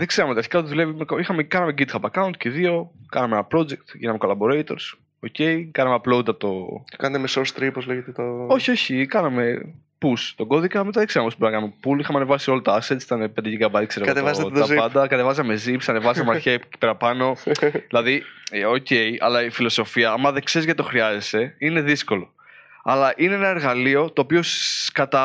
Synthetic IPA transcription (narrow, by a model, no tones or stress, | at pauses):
ðeɡ̥zse̞ɾɐmet̪iɐɾçi̥kɐot̪ðule̞vimekoixɐmekɐnɐme̞ɡid̪xɐpɐkɐwnt̪̚ceðio̞kɐnɐmeenɐpɾo̞d͡ʒek̚t̪ʝḭnɐmeko̞lɐbo̞ɾejt̪o̞ɾs | oce̞ikɐnɐmeɐplo̞d̪ɐpot̪o̥kɐnɐt̪emesost̪ɾipozleʝet̪et̪oo̞çio̞çikɐnɐme̞ | pust̪o̞ɡo̞ðikɐɐmet̪oekseɾɐmpospboɾinɐkɐnɐmepulixɐmeɐne̞vɐsio̞lɐt̪oɐsett͡ssit̪ɐnepend̪ɐcikɐbɐðikse̞ɾekɐt̪evɐzoɐpɐnd̪ɐkɐt̪evɐzɐme̞zipsɐnevɐzɐmeɐçeci̥peɾɐpɐno̞ðilɐðioce̞jɐ̰lɐifilo̞so̞fiɐɐmɐðeŋkse̞ɾizʝɐt̪it̪oxɾiɐzese̞ine̞ðisko̞lo̞ | ɐlɐʔineenɐe̞ɾɣɐlio̞t̪o̞ːpioskɐt̪ɐ